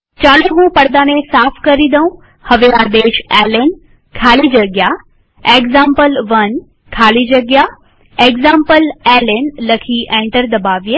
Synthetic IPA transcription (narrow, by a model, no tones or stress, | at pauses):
t͡ɕaːɽẽɦũːpɐɽd̪aːnẽsaːfʰkɐɾid̪ɐũ | hɐʋeaːd̪eːʃɛːlen | kʰaːlid͡ʑɐɡja | eːɡzãːmpəlʋɐn | kʰaːlid͡ʑɐɡja | eːɡzãːmpəlɛːlenlɐkʰiʔɛ̃ːɳʈəɾd̪ɐbaːʋje